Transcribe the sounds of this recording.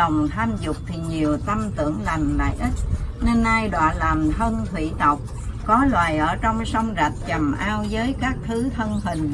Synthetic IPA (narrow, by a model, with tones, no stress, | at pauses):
ə˨˩wŋ͡mt̪ʰaː˧mzʊ˨˩k͡p̚t̪ʰi˨˩ɲi˨˩əwt̪ə˧mt̪ɨ̰˧˩˨əŋla˨˩ŋla̰ː˧˨jʔi˦˥t̚ne˧nʔaː˧jɗwa̰ː˧˨laː˨˩mt̪ʰə˧nt̪ʰwḭ˧˨t̪ə˨˩wk͡p̚ | kɔ˨˦lwaː˨˩jʔəː˧˩t͡ɕɔ˧wŋ͡msə˧wŋ͡mza˨˩t̚t͡ɕə˨˩mʔaː˧wzəː˨˦jkaː˦˥k̚t̪ʰɨ˨˦t̪ʰə˧nɦï˨˩ŋ̟